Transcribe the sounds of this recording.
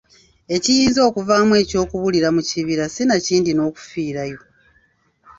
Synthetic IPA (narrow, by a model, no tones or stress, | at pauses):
e̞cijiːnzo̞ːkuvaːmwe̞ːco̞ːkuβuliɾamuciβiɾasinaciːndino̞ːku̥fiːɾajo̞